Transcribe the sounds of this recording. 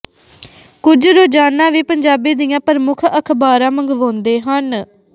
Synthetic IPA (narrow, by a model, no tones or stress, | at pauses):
kʊd͡ʒɾoːd͡ʒaːnãːʋiːpəɲd͡ʒaːbiːd̪ɪjãːpəɾmʊkʰəkʰbaːɾãːməŋɡʋõːnd̪eːɦən